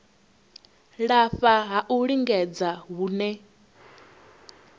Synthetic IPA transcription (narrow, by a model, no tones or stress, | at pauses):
ɺaɸaɦaʔuɺiŋɡɛd͡zaɦuːnɛ